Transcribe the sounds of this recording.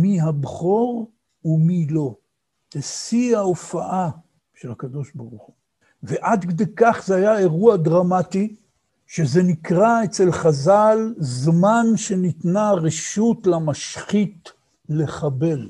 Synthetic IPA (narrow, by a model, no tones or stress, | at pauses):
miɦabχo̞ʁ | umilo̞ | tesiaofaʔa | ʃelakad̪o̞ʃbaʁuχu | veʔad̪ked̪ejkaχzeajae̞ʁuad̪ʁamati | ʃe̞ze̞nikʁaet͡se̞lχazalzmanʃe̞nit̪naʁeʃutlamaʃχit | le̞χabe̞l